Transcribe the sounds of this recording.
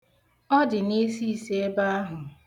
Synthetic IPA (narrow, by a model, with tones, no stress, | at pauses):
ɔ˦dɪ˨ni˦si˦˨se˦e˦ba˦a˦ɦʊ˨